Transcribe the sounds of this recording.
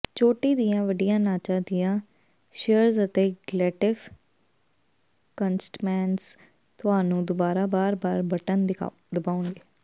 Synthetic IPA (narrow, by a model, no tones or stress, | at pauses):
t͡ʃoːʈiːd̪ijãːʋəɖijãːnaːt͡ʃãːd̪ɪjãː | ʃeəɾzət̪eːɡlɛːʈɪf | kənsʈmɛːns | t̪ʊɦaːnũːd̪ʊbaːɾaːbaːɾbaːɾbəʈənd̪ɪ̰ | d̪əbaːʊnɡeː